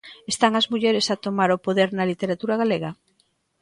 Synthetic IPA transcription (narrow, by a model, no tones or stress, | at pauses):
est̪aŋɐzmuʎɛɾesat̪omaɾopoðeɾnɐlit̪eɾat̪uɾaɣaleɣɐ